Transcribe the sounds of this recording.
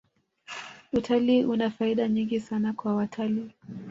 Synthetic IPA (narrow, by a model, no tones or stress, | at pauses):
utʰaliːʔunafaiɗaɲiŋɡisanakwawatʰaliː